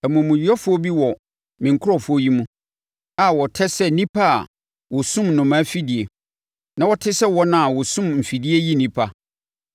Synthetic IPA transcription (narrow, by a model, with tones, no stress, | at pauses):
æ˨mũ˨mũ˨˦ɔ˦fʊ˦o˦bi˦wɔ˨ | mɪ̃˨ŋ̩˨kʰʊ˦ɾɔ˨fʊ˦o˦ji˦mũ˦ | a˨wɔ˨tʰɛ˦sɛ˦nĩ˦pʰa˦a̰˨ | wɔ˨sũ˦mnʊ̃˨mã˦fi˦di˨e˨ | nã˦wɔ˦tʰɪ˦sɛ˦wɔ˦nã˦a˨wɔ˨sũ˦mm̩˨fi˨di˦e˦ji˦nĩ˦pʰa˦